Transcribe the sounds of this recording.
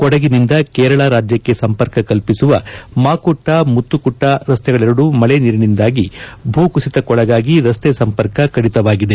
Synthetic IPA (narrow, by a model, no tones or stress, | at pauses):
kɔɽɐɡinind̪ɐkɛːɾɐɭɐɾaːd͡ʒjɐkːe̞sɐmpɐɾkɐkɐlpisuʋɐmaːkuʈːɐmut̪ːukuʈːɐɾɐst̪ɛɡɐɭiɾɐɽumɐɭeniɾinind̪aːɡibʱuːkusit̪ɐkɔɭɐɡaːɡiɾɐst̪esɐmpɐɾkɐkɐɽit̪ɐʋaːɡid̪e̞